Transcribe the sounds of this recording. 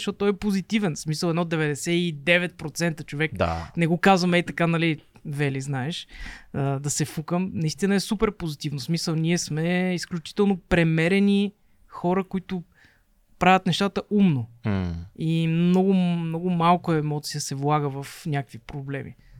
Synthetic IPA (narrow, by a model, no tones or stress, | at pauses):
ʃot̪ːɔjɛpozit̪ivɛnsmisəlˠɛd̪nɔd̪ɛvɛd̪ɛsɛid̪ɛvɛt̪̚pɾot̪sɛnt̪ət͡ʃovɛkd̪a̰nɛɡokazvɐmɛit̪ɐkanɐlivɛliznaɛʃəd̪ɐsɛfukəmnɐist̪inəɛsupɛɾpozit̪ivnosmisəlˠnʲiɛsmɛisklʲut͡ʃi̥t̪ɛlˠnopɾɛmɛɾɛni | xɔɾəkoit̪ʊ | pɾavʲət̪nɛʃt̪at̪əʔumno | imnɔɡʊmnɔɡʊmalˠkʊɛmɔt̪sijəsɛvlˠaɡəvɐfnʲakəkvipɾoblɛmḭ